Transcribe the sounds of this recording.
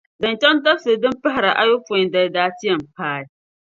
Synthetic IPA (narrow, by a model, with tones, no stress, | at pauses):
dɐ˨nt͡ʃɛ˦ndɐ˦si˨dɪ˦mɸɐ˦ɦa˨ɾa˨ʔa˦jʊ˦fʊ˨da˨daː˦tɪ˦jɐ˨mpaː˦i˨˦